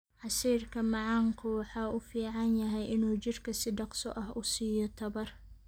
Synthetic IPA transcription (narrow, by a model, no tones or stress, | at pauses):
ʕɑsiːrkʰɐmɑʕɑŋkʰʊwɑħɑːʊfiːʕɑnjɐɦɛjʔɪnuːt͡ʃɪrkʰɐsɪɖɑqsɔʔɐhʊsiːjɔt̪ʰɐβɐr